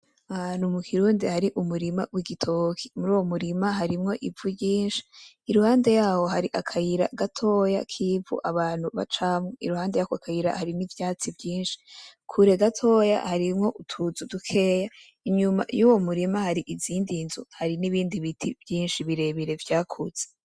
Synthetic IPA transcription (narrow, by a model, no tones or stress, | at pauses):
aanumukʰiɾuːndihaɾiʔumuɾimawiɡitʰokʰi̥muɾuːwo̞muɾimaɦaɾimŋo̞ʔivuɟiːnʃi̥ː | ɾuhaːnde̞jaːho̞ɦaɾiʔakʰajiɾa̰ɡatʰo̞ja̰kʰivṵʔaβaːn̥huβa̰t͡ʃamŋeḭɾuhaːnde̞jaːhoakʰajiɾa̰haɾinivjaːt͡sivjiːnʃi̥kʰuɾe̞ɡatʰo̞ja̰haɾimŋo̞ʔutʰuzudukʰe̞ːja | iɲuma̰juːwo̞muɾimahaɾiʔiziːndinzuhaɾiniβiːndiβitʰib̥jiːnʃiβiɾe̞βiɾe̞vjaːkʰuz̥e̥